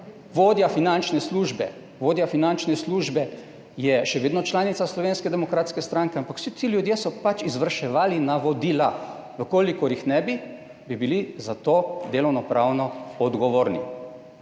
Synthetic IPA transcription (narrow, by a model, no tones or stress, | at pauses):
ʋoːd̪jafinant͡ʃnɛsluːʒbɛ̰ | ʋoːd̪jafinant͡ʃnɛsluːʒbɛ | jɛʃɛʋeːd̪nɔt͡ʃlaːnit̪saslɔʋeːnskɛd̪ɛmɔkɾaːt̪skɛst̪ɾaŋkɛampakw̥sit̪ilʲjud̪jesɔpat͡ʃizʋəɾʃɛʋaːlinaʋɔd̪iːla | ʋəkoːlikɔɾjixnɛbi | bibilizat̪oːd̪eːlɔwnɔpɾaːwnɔɔd̪ɡɔʋoːɾni